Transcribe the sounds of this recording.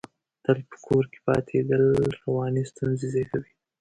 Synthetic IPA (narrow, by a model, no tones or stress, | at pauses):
t̪alpə̥kʰoɾke̥pɑ̰t̪ʰed̪əlɾawɑnist̪unzezekawi